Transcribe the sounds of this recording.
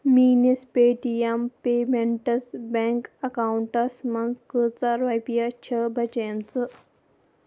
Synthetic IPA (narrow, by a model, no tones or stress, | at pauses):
miːnispeːʈijɐmpeːmeɳʈɐsbeŋkɐkauɳʈɐsmɐnzkət͡saɾʋɐjpijat͡ʃʰəbʱɐt͡ʃeːnt͡sɨ